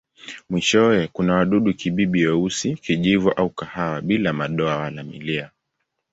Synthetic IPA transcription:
mwiʃɔɛkunawaɗuɗukiɓiɓijɔusikiʄivɔʔaukahawaɓilamaɗɔawalamḭlia

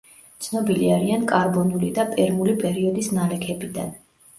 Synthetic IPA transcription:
t̪sʰnɔbiliaɾiankʼaɾbɔnulid̪apʼɛɾmulipʼɛɾiɔd̪isnalɛkʰɛbid̪a̰n

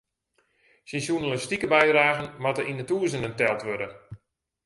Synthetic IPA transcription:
sinsunələstikəbɛjdraːɣənmatəʔinətuːzənəntɛlˠtʋødə

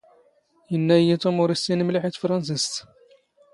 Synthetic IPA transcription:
jənːæjːæt̪umʊɾist̪inəmliħit̪fɾˤɑns̬ist̪

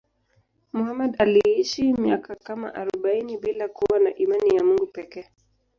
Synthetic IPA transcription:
muhamɛɗaliiʃimiakakama̰ʔaɾɔɓainiɓilakuwanaʔimanijamuŋɡupɛkɛː

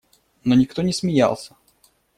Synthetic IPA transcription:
no̞nʲɪkt̪o̞nʲɪsmʲɪja̰lˠsʲə̥

